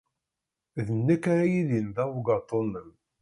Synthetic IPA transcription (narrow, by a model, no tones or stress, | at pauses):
ðənːækːaɾajilind̪æwɡɑt̪ˤːonːəm